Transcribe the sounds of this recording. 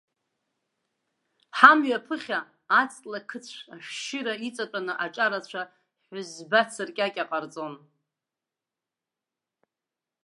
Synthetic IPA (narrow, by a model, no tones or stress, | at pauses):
ħamɥapʰɨχʲaː | t͡sʼtʼlakʰɨt͡sʷʰaʃʃɪɾait͡sʼat͡pʷʼanɨʔaʈ͡ʂʼaɾat͡ɕʷʰa | ħʊzbat͡sʰɨrkʲʼakʲʼaqʼart͡sʼon